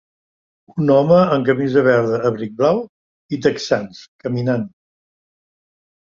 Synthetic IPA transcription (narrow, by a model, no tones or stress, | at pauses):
unɔməəŋk̬əmizəβɛɾðəːβɾik̚blaw | it̪əksanskəminan